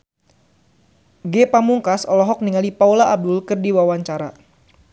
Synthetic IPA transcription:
ɡepamuŋkasɔlɔɦɔk̚niŋalipaulaːb̚dʊlkɨrdiwawaɲt͡ʃaɾa

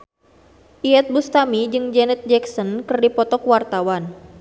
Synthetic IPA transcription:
ʔiɛt̪̚bust̪amid͡ʒɨŋd͡ʒɛnɛt̪̚d͡ʒɛksɔnkɨrdipɔt̪ɔkwart̪awan

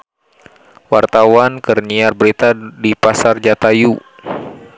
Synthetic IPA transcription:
wart̪awankərniarbəɾit̪adipasard͡ʒat̪aju

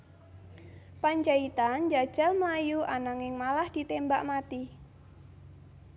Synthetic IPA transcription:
paɲd͡ʒait̪and͡ʒad̥ʒ̥a̤lməlajuanaŋɪŋmalahd̪̥i̤t̪embaʔmat̪i

